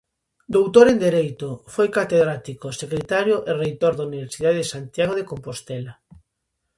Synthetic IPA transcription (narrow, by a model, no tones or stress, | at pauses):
d̪owt̪oɾend̪eɾejt̪ofojkat̪eðɾat̪ikosekɾet̪aɾjoʔerejt̪oɾðauniβ̞eɾsiðaðeðesant̪jaɣ̞oðekompost̪ɛla